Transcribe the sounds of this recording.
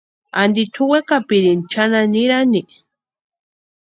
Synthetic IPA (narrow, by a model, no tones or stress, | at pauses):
and̪it̪ʰuwekapiɾint͡ʃananiɾani